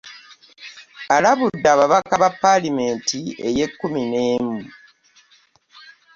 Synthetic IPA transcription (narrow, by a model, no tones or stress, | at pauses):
alaβudːaːβaβakaβapːalime̞ntie̞je̞kːumineːmu